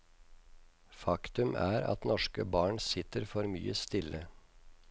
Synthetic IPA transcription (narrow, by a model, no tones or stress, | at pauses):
fɑkt̪ʉmæːɾɑ̰t̪nɔʃkəbɑːɳsɪt̪əɾfɔɾmyːəst̪ɪlə